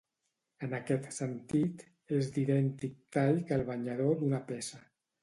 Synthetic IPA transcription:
ənakɛt̪sənt̪it̪ | ezd̪iɾɛnt̪ik̚t̪ajʎkəlˠβ̞aɲaðod̪unapɛsə

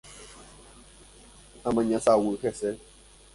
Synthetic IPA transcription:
amãɲãsawuxɛsɛ

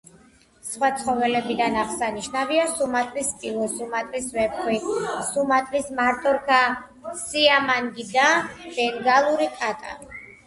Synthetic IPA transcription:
sχwat̪sʰʼχɔvɛlɛbid̪anaʁsaniʃnaviasumat̪ʼɾispʼilˠɔsumat̪ʼɾisvɛp̚kʰwisumat̪ʼɾismaɾt̪ʼɔɾkʰa | siamaŋɡid̪ab̥ɛŋɡalˠuɾikʼat̪ʼa̰

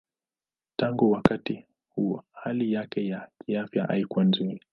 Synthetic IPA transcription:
taŋɡuwakati | huɔɔhalijakɛjakʰiafjaʔa̰ikuanzini

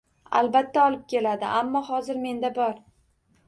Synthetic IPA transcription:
a̰lbat̪ʰːaɒlˠɪp̚kʲe̞lad̪ɪʔamːɒɦɒzɪɾme̞nd̪abɒɾ

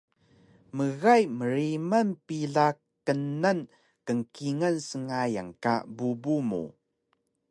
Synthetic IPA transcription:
məɣajməɾimanpiɮak | ənan | kəŋkiŋansəŋaja̰ŋka̰bubumṵ

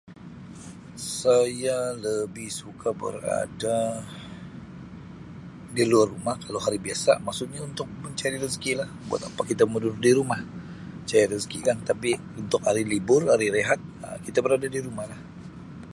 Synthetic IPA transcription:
sajaləbɪhsukabə̰ra̰da | diluarːumahkalawɦaɾibiasa̰maksʊt̪̚ɲaunt̪ʊk̚məɲt͡ʃaɾiɾəskilahbua̰t̪apakit̪amudʊrdiɾumah | t͡ʃaɾiɾəskikant̪api | unt̪ʊkaɾilibʊraɾiɾeɦat̪̚əkit̪abəɾadadiɾumahlah

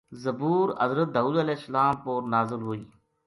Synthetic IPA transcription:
zəbuːɾɐzɾət̪̚d̪aːuːd̪əlɛːsːəlaːmpoːɾnaːzɪlɦoːiː

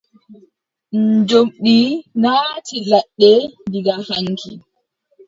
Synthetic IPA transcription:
ɲd͡ʒomɗinaːtilaɗːɛdiɡahaŋkʰi

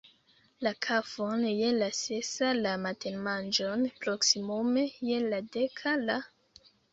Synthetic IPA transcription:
lakʰafonjelasesalamatʰenmand͡ʒonpɾoksimome̞jeladekʰala

